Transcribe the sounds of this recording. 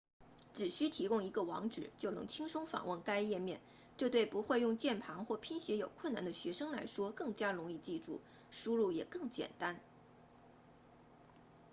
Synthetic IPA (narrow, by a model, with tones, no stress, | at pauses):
ʈ͡ʂɻ̩˨˩ɕy˥t̪ʰi˧˥kʊ˥ŋi˧˥ɡə˧wɑ˧˥ŋʈ͡ʂɻ̩˨˩t͡ɕjo˥˩ʊnɤ̰˧˥ŋt͡ɕʰi˥ŋʂʊ˥ŋfɑ̰˨˩ŋwə˥˩nka˥ɪjɛ˥˧mjɛ̰˥˩n | ʈ͡ʂɤ˥˧t̪we˥˩ɪpu˧˥xwe˥˧ɪjʊ˥˧ŋt͡ɕjɛ˥˩npʰɑ˧˥ŋxwɔ˥˩pʰi˥nɕjɛ˧˥jo˨˩ʊkʰwə˥˩na̰˥˩nd̪ə˦ɕɥɛ˧˥ʂɤ˥ŋla̰˧˥ɪʂwɔ˥kɤ˥˩ŋt͡ɕja˥ɻʊ˧˥ŋi˥˧t͡ɕi˥˧ʈ͡ʂṵ˥˩ | ʂu˥ɻu˥˩jɛ̰˨˩kɤ˥˩ŋt͡ɕjɛ̰˨˩nt̪a˥n